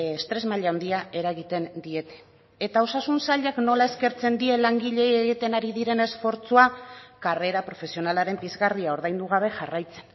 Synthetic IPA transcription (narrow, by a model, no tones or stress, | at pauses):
st̪ɾe̞zmaʎaaond̪iae̞ɾaɣit̪e̞nd̪ie̞t̪e̞̥ | et̪ao̞sasunsaʎakno̞lae̞ske̞ɾt͡se̞nd̪ie̞laŋɡiʎe̞jeɣit̪e̞naɾiðiɾe̞ne̞sfo̞ɾt͡suakare̞ɾapɾo̞fe̞sio̞nalaɾe̞mpizɣaɾðiao̞ɾðajnd̪uɣ̞aβ̞e̞ʝarajt͡se̞̥n